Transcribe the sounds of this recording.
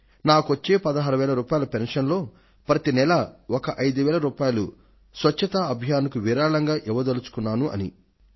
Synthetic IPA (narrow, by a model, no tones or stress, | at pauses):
naːkuʋɐt͡ʃːe̞ːpɐd̪ɐɦaːɾuʋɛːlɐɾuːpaːjɐlɐpenʂɐnlo̞ː | pɾɐt̪inɛlɐɔkɐʔɐjd̪uʋɛːlɐɾuːpaːjɐlṵ | sʋɐt͡ʃːɐt̪aɐbʱjaːnukuʋiɾaːɭɐŋɡaːʔɛʋɐd̪ɐlut͡ʃu̥kunːaːnuʔɐ̰nḭ